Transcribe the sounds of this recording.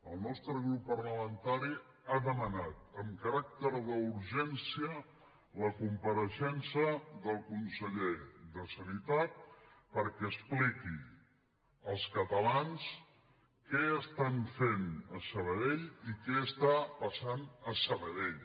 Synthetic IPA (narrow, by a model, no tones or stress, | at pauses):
əlˠnɔst̪ɾəɣɾupːərləmənt̪aɾi | aðəmənat̪əmkəɾak̚t̪əɾðəuɾʒɛnsiə | ləkumpəɾəʃɛnsəðəlˠkunsəʎeðəsənit̪at̪̚pəɾkɛəspliki | əlˠskət̪əlans | kɛəst̪anfenəsəβəðeʎikɛəst̪apəsanəsəβəðeʎ